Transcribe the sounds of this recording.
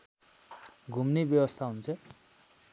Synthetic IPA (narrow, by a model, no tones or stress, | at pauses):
ɡʱumnebjʌbʌst̪ʰaɦunt͡sʰʌ